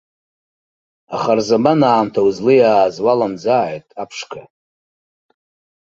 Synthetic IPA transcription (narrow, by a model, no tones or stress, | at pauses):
a̰χarzamanaːmtʰauzlɨjaːzwalamd͡zaʕajtʼapʰʂkʰa